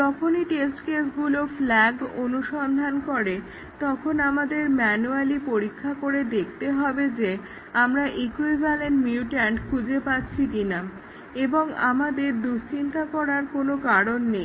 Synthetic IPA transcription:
d͡ʑɔkʰoniʈesʈkesɡuloflɛɡonuʃɔnd̪ʱankɔɾe | t̪ɔkʰonamad̪eɾmɛnualipoɾikʰːakoɾed̪ekʰt̪eɦɔbed͡ʑe | amɾaʔikuebalenmiuʈaɳʈkʰud͡ʑepatːɕʰikina | eboŋa̰mad̪eɾd̪ust͡ɕint̪akɔɾaɾkonokaɾonːej

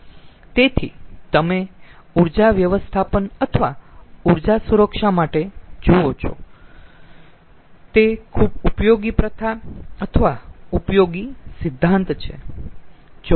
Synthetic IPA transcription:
t̪et̪ʰḭt̪əmeuɾd͡ʒaʋjəʋəst̪ʰapənət̪ʰəʋauɾd͡ʒasuɾəkʃamaʈed͡ʒoot͡ʃʰo̰ | t̪ekʰubupjoɡipɾət̪ʰaət̪ʰəʋaupjoɡisɪd̪ʱːant̪t͡ʃʰḛ | d͡ʒo

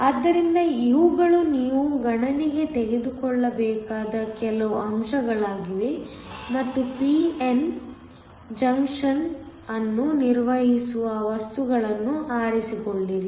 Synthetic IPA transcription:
ɐd̪ːɐɾind̪ɐiʋuɡɐɭuniːʋuɡɐɳɐniɡe̞t̪eɡe̞d̪ukɔɭːɐbɛːkaːd̪ɐkɛlɐʋɐmʂɐɡɐɭaːɡiʋimɐt̪ːupien | d͡ʒɐŋkʂɐn | ɐnːuniɾʋɐɦisuʋɐʋɐst̪uɡɐɭɐnːuaːɾisikoɭːiɾi

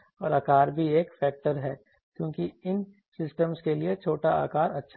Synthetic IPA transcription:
ɔːɾaːkaːɾbʱieːkfɛːk̚ʈəɾɦɛː | kjõːkiɪn | sɪsʈəmskeliet͡ʃʰoːʈaa̰ːkaːɾɐtːʃʰ

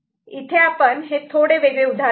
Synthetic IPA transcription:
it̪ʰeapəɳɦet̪ʰoɽeʋeɡɭeud̪ʱa

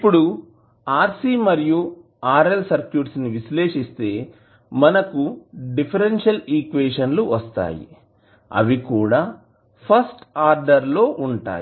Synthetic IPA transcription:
ipːuɽu | aːɾsiːmɐɾiju | aːɾelsɐɾkjuːʈsniʋisle̞ːʂist̪e̞ː | mɐnɐkuɖipʰɐɾenʂɐliːkʋeːʂɐnluʋɐst̪a̰ːjḭ | ɐ̰ʋikuːɽaː | pʰɐsʈaːɾɖɐɾlo̞ːʔuɳʈa̰ːji

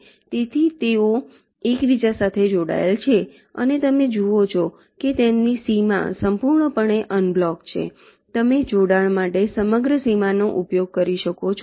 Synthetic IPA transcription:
t̪et̪ʰit̪eo | ekʋid͡ʒasat̪ʰed͡ʒoɽa̰elt͡ʃʰe | ə̰net̪əmed͡ʒuot͡ʃʰɔ | ket̪emnisima̰səmpuɾɳəpəɳeʔənblɔkt͡ʃʰḛ | t̪əmed͡ʒoɽaɭmaʈesəməɡɾəsimanoʔupjoɡ̚kəɾiʃəkot͡ʃʰ

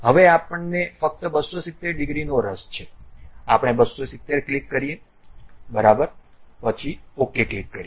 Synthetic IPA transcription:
ɦəʋeapəɳnefək̚t̪əbəsːosit̪ːeɾɖɪɡɾinoɾəst͡ʃʰeapəɽ̃ebəsːosit̪ːeɾklikːəɾije | bəɾabəɾ | pət͡ʃʰiokeklikːəɾie

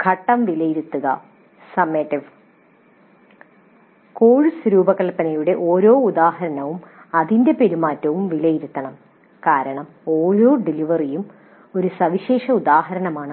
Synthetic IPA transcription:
kʰɐʈːɐmʋilɐjiɾut̪ːuɣɐ̰ | sɐmːeːʈːiʋ | koːɻsɐɾuːbɐkːɐɭpːɐnɐjuɽe̞ʔo̞ːɾo̞ːud̪aːhɐɾɐnɐʋumɐðinde̞pe̞ɾumaːtːɐʋumʋilɐjiɾut̪ːɐɳɐm | kaːɾɐɳɐm | o̞ːɾo̞ːɖiliʋɐrijum | o̞ɾusɐʋiɕeːʂɐud̪aːhɐɾɐnɐmaːɳɨ

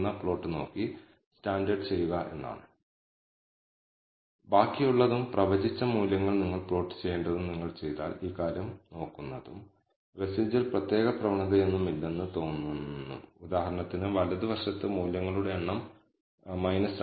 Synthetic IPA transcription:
nːɐpɭo̞ːʈːɨno̞ːkːi | staːɳɖɐrɖɨt͡ɕe̞jːuɣɐʔe̞̰nːa̰ːɳɨ | baːkːijuɭːɐðumprɐʋɐd͡ʑit͡ɕːɐmuːljɐŋːɐɭniŋːɐɭpɭo̞ːʈːɨ̥t͡ɕe̞jeːɳɖɐðumniŋːɐɭt͡ɕe̞jt̪a̰ːliːkːaːɾjɐmno̞ːkːunːɐðum | resiːd͡ʑilprɐt̪je̞ːɣɐprɐʋɐɳɐðɐe̞nːumilːe̞nːɨt̪o̞ːnːunnːṵud̪aːhɐɾɐɳɐt̪ːinɨʋɐlɐðɨʋɐrʂɐt̪ːɨmuːljɐŋːɐɭuɽe̞eɳːɐm | mɐjnɐs

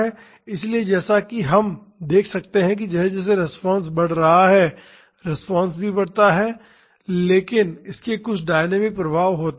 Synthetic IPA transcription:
ɛ | ɪslied͡ʒɛːsakiɦɐm | d̪eːkʰsɐk̚t̪eɦɛ̃k̬id͡ʒɛːsed͡ʒɛːs̬eɾɪspãːns̬bɐɽ̤ɾɐɦaɦɛː | ɾɪspãːnsbʱibɐɽ̤t̪aɦɛː | leːkɪnɪskekʊt͡ʃʰɖaːɪnɛːmɪk̚pɾɐbʱaːʋɦoːt̪

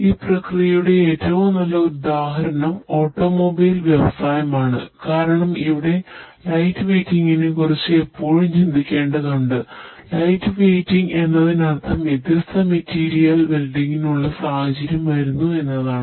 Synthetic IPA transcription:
iːprɐkrijɐjuɽe̞eːtːɐʋumnɐlːɐud̪aːɦɐɾɐɳɐmo̞ːʈːo̞ːmobiːlʋjeʋɐsaːjɐmaːɳɨkaːɾɐɳɐmiʋiɽe̞lɐjtːɨʋeːtːiŋːinekurit͡ɕːɨe̞pːo̞ːɻumt͡ɕind̪ʱikʲːe̞ːɳɖɐkɐɳɖɨlɐjtːɨʋejtːiŋɡe̞nːɐðinɐrt̪ʰɐmʋjed̪jɐst̪ʰɐmetːiːɾijɐlbelɖiŋɡinuɭːɐsaːhɐd͡ʑiɾjɐmʋɐɾunːue̞nːɐðaːɳɨ

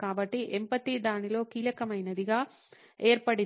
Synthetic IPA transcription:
kaːbɐʈːiʔɛmpɐt̪id̪aːnilo̞ːkiːlɐkɐmɐjnɐd̪iɡaː | eːɾpɐɽi

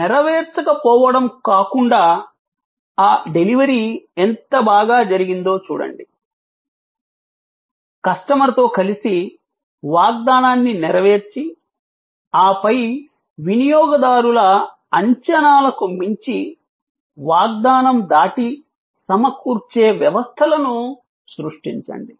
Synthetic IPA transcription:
niɾɐʋeːɾt͡ʃɐkɐpɔːʋɐɽɐmkaːkuɳɖaː | aːɖe̞liʋɐɾient̪ɐbaːɡaːd͡ʒɐɾiɡind̪o̞ːt͡ʃṵːɽɐ̰ɳɖi | kɐʂʈɐmɐɾɐt̪o̞ːkɐlisi | ʋaːɡ̚d̪aːnaːnːiniɾɐʋe̞ːɾt͡ʃi | aːpɐj | ʋinijɔːɡɐd̪aːɾulɐː | ɲt͡ʃɐnaːlɐkumiɲt͡ʃi | ʋaːɡ̚d̪aːnɐmd̪aːʈi | sɐmɐkuːɾt͡ʃe̞ːʋjɐʋɐst̪ʰɐlɐnu | sɾuʂʈiɲt͡ʃɐ̰ɳɖi

